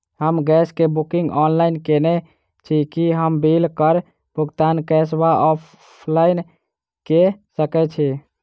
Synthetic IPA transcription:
ɦəmɡɛskebukiŋɡɔnlainkene | t͡ʃʰikiɦəmbilkəɾ | buɡt̪ankɛsbaʔɔpʰ | lain | kesəkɛt͡ʃʰi

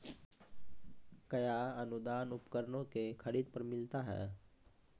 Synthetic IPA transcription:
kəjaənud̪aːnʊpkəɾnõkekʰəɾiːd̪̚pəɾmɪlt̪aɦɛ̰ː

